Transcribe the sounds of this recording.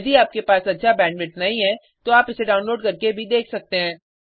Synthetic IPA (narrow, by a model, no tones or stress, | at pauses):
jd̪iaːp̚kepaːsɐtːʃʰabɛ̃ːɳɖʋɪʈnɐɦĩɦɛ̃ː | t̪oaːpɪseɖaːʊ̃nloːɖkɐɾkebʱid̪eːkʰsɐk̚t̪eɦɛ̃ː